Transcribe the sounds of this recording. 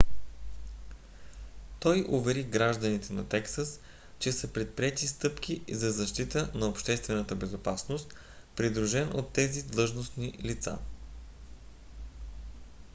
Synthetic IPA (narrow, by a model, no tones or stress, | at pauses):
t̪ɔjʔʊvɛɾiɡɾaʒd̪ənit̪ɛnɐt̪ɛksəs | t͡ʃɛsəpɾɛt̪̚pɾiɛt̪ist̪ɤpk̟ʰʲizɐzɐʃt̪it̪ənɐopʃt̪ɛst̪vɛnət̪əbɛzopasnost̪ | pɾid̪ɾuʒɛno̰t̪ːɛzid̪lˠɤʒnosnilit̪sa̰